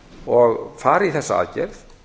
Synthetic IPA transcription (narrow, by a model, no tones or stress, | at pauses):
ɔɣfaːɾiθɛsːaa̰ːcɛ̰ɾð